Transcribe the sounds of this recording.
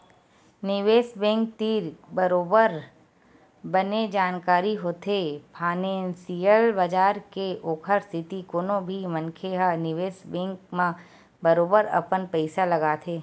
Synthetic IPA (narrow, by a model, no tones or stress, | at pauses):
nɪʋeːsbẽːŋk̚t̪iːɾbəɾoːbəɾ | bəned͡ʒaːnkaːɾiɦoːt̪ʰepʰaːneːnsijəlbəd͡ʒaːɾkeʔoːkʰəɾst̪ʰɪt̪ikoːnõbʱimə̃nkʰeɦənɪʋeːsbɛ̃ːŋkmã | bəɾoːbəɾɐ̰pənpɛɪsalɐɡaːt̪ʰeː